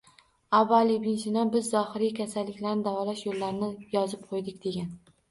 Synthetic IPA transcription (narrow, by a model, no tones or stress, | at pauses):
avːalibɪnʃɪnɒnbɪzːɒhɪɾikʲʰasalːɪkʲlaɾnɪd̪avɒlaʃjolːaɾnɪjɒzɪp̚qʰojd̪ɪkʲd̪e̞ɡʲan